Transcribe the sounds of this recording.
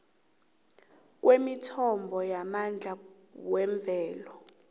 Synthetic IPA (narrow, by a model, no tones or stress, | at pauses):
k̬ʼwemitʰɔmbʱɔjamand͡ɮʱa | wɛɱb̪vʱɛːlɔ